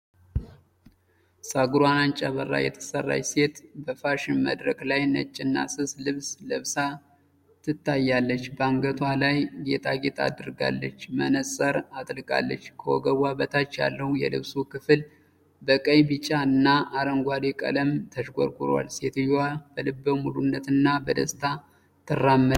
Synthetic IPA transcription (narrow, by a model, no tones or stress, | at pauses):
saɡɨɾwanant͡ʃʼaβərːa̰jɛ̰t̪ʰə̥sərːa̰jse̞t̪bəfaʃɪnmə̰d̪ɾəkʼlajnə̰t͡ʃʼːɪnːa̰sɨslɨβsləβsa | t̪ʰːɨt̪ʰːajːalːət͡ʃːbəaŋɡət̪ʰwalajɡe̞t̪ʼʰaɡet̪ʰa̰d̪ɨɾɡa̰lːət͡ʃːmənəsʼəɾat̪ʼlɨkʼa̰lːə̰t͡ʃːkʰəwɔɡəwabət̪ʰat͡ʃːja̰lːəhujɛ̰lɨ̰βsukʰɨfɨl | bəkʼəjbɨt͡ʃʼːaɨnːaʔaɾəŋɡʷad̪ekʼə̰ləmt̪ʰəʃɡʷo̰ɾkʼɨɾwa̰lse̞t̪ɨjwab̥əlɨbːəwmulunːət̪ɨnːabəd̪ə̰st̪ʰa | t̪ʰɨrːamːə